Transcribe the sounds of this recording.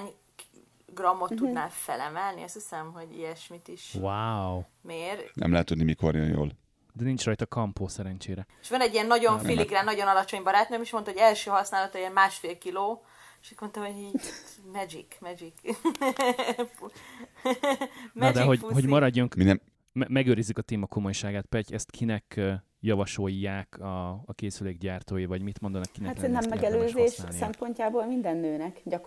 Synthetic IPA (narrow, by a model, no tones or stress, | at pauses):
ɲ | ɡrɒmːo̞t̪ːud̪naːfɛ̰lɛmɛlnḭɒst̪ʰisɛmɦoɟḭjɛʃmit̪iʃwawmeːrnɛ̰mlɛɦɛt̪ːud̪nimiko̰ɾijɛ̰njo̰ːl | d̪ɛnint͡ʃrɒjt̪ɒkɒmpoːsɛɾɛnt͡ʃeːɾɛe̥ʃʋɒnɛɟːiɛnːɒɟo̞nfiliɡraːnːɒɟo̞nɒlɒt͡ʃo̞ɲbɒɾaːt̪nømiʃmot̪ɒɦoɟɛlʃøːɦɒsnaːlɒt̪ɒjɛnmaːʃfeːlkiloː | eʃɛkmo̞nt̪ɒɦoiːt̪mɛd͡ʒikmɛd͡ʒik | mɛd̪ɛɦoɟɦo̞ɟmɒɾɒɟːoŋkminɛ | mɛmɛɡøːɾizːykɒt̪eːmɒko̞mo̞jʃaːɡaːt̪pɛcɛst̪kʰinɛk | jɒvɒʃo̞jːaːkʰɒːkeːsyleːɡɟaːrt̪oːjivɒɟmit̪mo̞nd̪ɒnɒkːinɛatennɛmːɛɡɛløːzeːʃssɛmpo̞ɲcaːboːlmind̪ɛnːøːnɛkɟɒk